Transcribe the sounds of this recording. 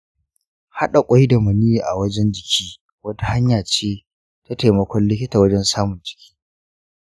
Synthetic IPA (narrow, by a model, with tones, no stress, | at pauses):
ha˦ɗa˨kʷʼa˦ji˦da˨mʊ˨ni˦˨ʔa̰˨wɐ˦d͡ʒɛ˦nd͡ʒɪ˨kʲʰiː˦ | wɐ˦ta˨ha˦ɲjaː˨t͡ʃeː˦ | ta˦te˨mɐ˨˦kʷɔ˦nlɪ˦kʲɪ˦taː˨wɐ˦d͡ʒɛ˦nsaː˦mʊ˨nd͡ʒɪ̥˨kʲi̥ː˦